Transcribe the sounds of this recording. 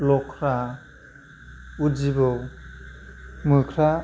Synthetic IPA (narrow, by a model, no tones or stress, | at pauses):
lɔkʰɾa | ud͡ʒibɯw | mɯkʰɾa